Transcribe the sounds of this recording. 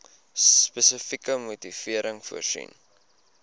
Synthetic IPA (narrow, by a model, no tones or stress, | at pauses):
spəsəfikəmutifiəɾəŋfuərsḭn